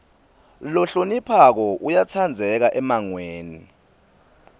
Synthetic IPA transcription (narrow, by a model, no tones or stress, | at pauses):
lɔɬonipʰak̬ɔʔujat͡sʰand͡zʱɛk̬aʔɛmaŋweːni